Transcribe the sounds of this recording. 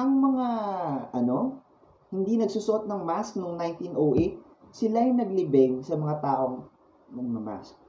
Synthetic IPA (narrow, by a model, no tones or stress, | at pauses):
ʔɐŋmɐŋaʔɐno̞ | hɪnd̪inɐɡ̚suːsʊʔo̞t̪̚nɐŋmask̚noŋnajnt̪inʔowʔet̪̚ | sɪlajnɐɡlɪbɛŋsɐmɐŋat̪aːʔo̞ŋ | nɐŋmɐma̰sk̚